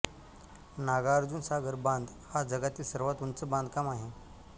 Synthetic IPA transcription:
naɡaəɾd͡zuːnsaɡəɾbãnd̪ | had͡zəɡat̪iːlsəɾʋat̪unt͡səbãnd̪kamaɦe

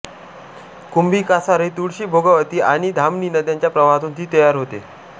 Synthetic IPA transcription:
kumbʱiːkasaɾet̪uɽɕiːbʱoɡəʋət̪iːʔaɽ̃id̪ʱamniːnəd̪jaɲt͡ɕjapɾəʋaɦat̪uːnt̪iːt̪əjaɾɦot̪e

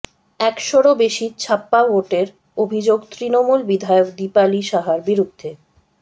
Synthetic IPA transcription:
ɛkʃoɾobeʃit͡ɕʰapːaʋoʈeɾ | obʱid͡ʑoɡt̪ɾinomulbid̪ʱaeok̚d̪ipaliʃaɦaɾbiɾud̪ʱːe

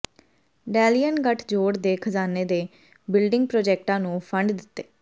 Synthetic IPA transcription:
ɖɛːlijənɡəʈʰd͡ʒoːɽd̪eːkʰəzaːneːd̪eː | bɪlɖɪŋɡ̚pɾoːd͡ʒɛːk̚ʈãːnũːpʰəɳɖd̪ɪt̪ːeː

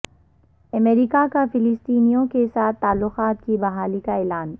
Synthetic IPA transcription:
ɐmeːɾikakafɪlɪst̪iːnijõkesaːt̪ːaːlːʊxaːt̪̚kibɐɦaːlikaeːlaːn

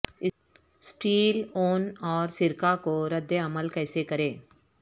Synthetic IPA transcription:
ɪ | sʈiːloːnɔːɾsɪɾkakoɾəd̪jeɐməlkɛːsekɐɾẽː

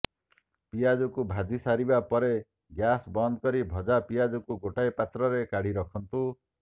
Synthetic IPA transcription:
pijad͡ʒukubʱad̪ʱisaɾibapɔɾe | ɡjasbɔnd̪kɔɾibʱɔd͡ʒapijad͡ʒukuɡoʈajpat̪ɾɔɾekaɽ̤iɾɔkʰɔnt̪u

